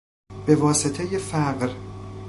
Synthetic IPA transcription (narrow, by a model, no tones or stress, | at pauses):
b̥e̞vɒːset̪ʰejefæɢɾ